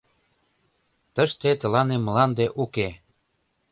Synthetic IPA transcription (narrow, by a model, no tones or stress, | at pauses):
t̪əʃt̪et̪ə̆lɑnemlɑnd̪eʔuke